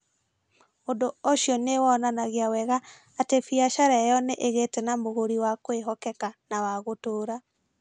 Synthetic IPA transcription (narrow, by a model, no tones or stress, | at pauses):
ondooɕjɔnewɔnanaɣeawɛɣaː | tefiaʃaɾɛjɔneʔeɣetɛnamoɣoɾiwakweɦɔkɛkanawaɣotoːɾa